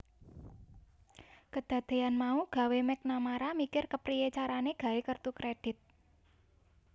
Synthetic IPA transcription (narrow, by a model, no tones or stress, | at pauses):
kəd̪̥ä̤d̪̥e̤anmauɡ̥ä̤wemɛk̚namaɾamikɪrkəpɾijet͡ʃaɾaneɡ̥a̤ekərt̪ukɾeɖ̥ɪ̤t̪̚